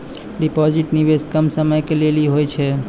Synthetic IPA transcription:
ɖipɔd͡ʒiʈniʋeskəmsəməjkeleliɦojt͡ʃʰɛ

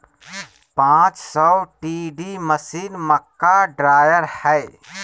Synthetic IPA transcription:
pãːt͡ʃsɔwʈiːɖiməsiːnməkːaɖɾaːjəɾhɛj

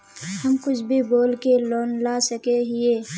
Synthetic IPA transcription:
hɐmkʊt͡ʃʰbʱiboːlkeloːnlaːsəkeɦɪeː

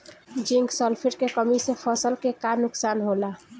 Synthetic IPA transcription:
d͡ʒiŋɡsəlpʰiʈkekəmisepʰəsəlkekanʊksaːnɦola

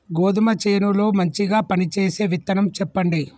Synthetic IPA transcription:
ɡoːd̪umɐt͡ʃeːnulo̞ːmɐɲt͡ʃiɡaːpɐnit͡ʃeːse̞ːʋit̪ːɐnɐmt͡ʃɛpːɐɳɖi

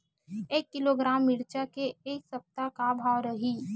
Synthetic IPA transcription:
eːkːɪloɡɾaːmːɪɾt͡ʃakeeːksɐp̚t̪akabʱaːwɾɐɦiː

